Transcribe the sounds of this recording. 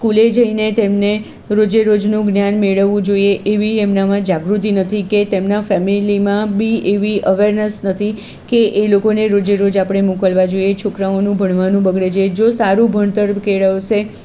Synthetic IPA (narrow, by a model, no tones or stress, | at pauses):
skuled͡ʒəinet̪emne | ɾod͡ʒeɾod͡ʒnũɡnjanmeɭəʋːũd͡ʒoieʔeʋiemnamãd͡ʒaɡɾut̪inət̪ʰiket̪emnafɛmilimãbieʋiʔəʋeɾnəsnət̪ʰi | keʔelokoneɾod͡ʒeɾod͡ʒapɽ̃emũkəlʋad͡ʒoiet͡ʃʰokɾaonũbʱəɳʋanũbəɡɽed͡ʒed͡ʒosaɾũbʱəɳt̪əɾkeɭəʋʃe